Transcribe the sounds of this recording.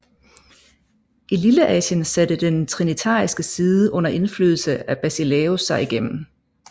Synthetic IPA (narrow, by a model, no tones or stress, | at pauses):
ʔililəʔɛ̰ːɕənsæd̥əd̥ent͡sʰʁinit͡sʰɑ̰̈ːisɡ̥əsiːðˠəʔɔ̽n̰ɐʔe̝nflyːðˠl̩səæb̥æsileːosɑ̈ɪiɡ̥em̰m̩